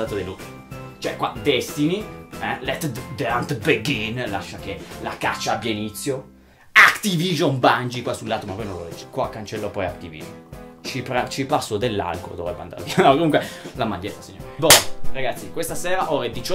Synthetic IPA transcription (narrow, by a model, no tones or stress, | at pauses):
aːt̪od̪elut̪ː | t͡ʃoɛkwa̰d̪ɛst̪iniɛlɛt̪d̪ant̪beɡinlaʃːakelaka̰t͡ʃːaabjainit̪sːjo | akt̪iviʒonband͡ʒikwasulːaːt̪omavɔjnõnlo̰lɛd͡ʒekwaːkːant͡ʃelːɔpɔjakt̪ivḭʒo̰nt͡ʃipɾat͡ʃipasːod̪elːa̰lko̰d̪ovɾɛba̰nd̪a̰ɾviaakomuŋkwelamaʎːet̪ːasiɲːo̰ːɾebɔɾaɡat̪sːikwest̪asɛːɾaʔoːɾed̪it͡ʃɔ